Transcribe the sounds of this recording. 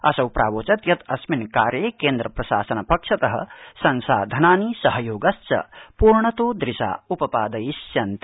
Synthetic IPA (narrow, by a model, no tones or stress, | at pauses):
ɐsɐwpɾʔa̰ːʋoːt͡ʃɐt̪jɐt̪ɐsminkaːɾjeːkeːnd̪ɾɐpɾɐʃaːsɐnɐpɐkʂɐt̪ɐɦɐ̰̆sɐnsa̰ːd̪ʱɐnaːnisɐɦɐjoːɡɐst͡ʃɐ̰puːɾɳɐt̪oːd̪ɾɪʃa̰ːupɐpaːd̪ɐjisjɐnt̪i̥